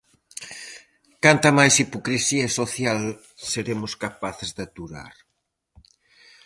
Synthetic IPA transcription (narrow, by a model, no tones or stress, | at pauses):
kant̪ɐmajsipokɾisiɐsoθjal | seɾemʊskapaθɪzðat̪uɾa̰ɾ